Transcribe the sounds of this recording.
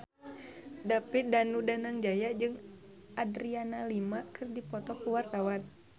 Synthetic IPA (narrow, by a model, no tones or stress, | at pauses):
dapidanudanaŋd͡ʒajad͡ʒɨŋ | ʔadɾianalimakʰɨrdipɔt̪ɔkuwart̪awan